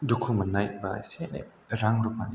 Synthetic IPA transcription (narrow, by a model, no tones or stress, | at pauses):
dukʰumɐnajba̰jsenḛɾaŋɾupʰani